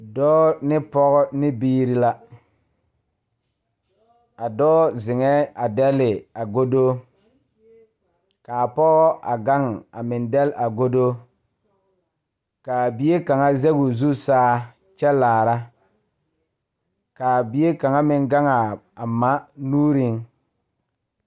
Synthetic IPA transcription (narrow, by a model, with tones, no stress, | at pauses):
dɔː˦nɪ˦pɔ˦ɣɔ˦nɪ˦biː˦ɾi˦la˦ | a˨dɔː˦zɪ˨ŋɛ˦a˨dɛ˦lɪ˨a˨ɡo˦do˦ | kaː˨pɔ˦ɣɔ˦ʔa̰˨ɡa˦ŋa˨mɪ˨ndɛ˦la˨ɡo˦do˦ | ka˨bi˨je˦ka˨ŋa˦zɛ˦ɣʊ˨zu˦saː˦ | t͡ʃɛ˦laː˨ɾa˦ | kaː˨bi˨je˦ka˨ŋa˦mɪ˦ŋɡa˦ŋa˨a˨ma˦nuː˦ɾɪ˦ŋ